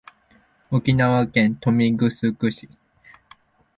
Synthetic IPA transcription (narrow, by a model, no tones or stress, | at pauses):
okʲinaβakẽ̞nt̪o̞mʲiɡɯ̟sɨkɯ̟ɕi̥